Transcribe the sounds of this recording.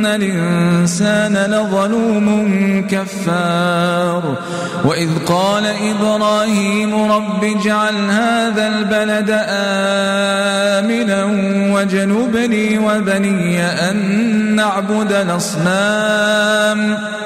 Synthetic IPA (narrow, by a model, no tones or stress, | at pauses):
alʔɪnnsaːnalaðˤɑluːmʊnkafːɑːɾˤ | waʔɪðqɑːlaʔɪbɾˤɑːhiːmʊɾˤɑbːiːd͡ʒaʕalhaːðaːlbalad̪aʔaː | mɪna | wad͡ʒanʊːbniːwabanɪjːaʔanːaʕbʊd̪alʔɑsˤnaː | m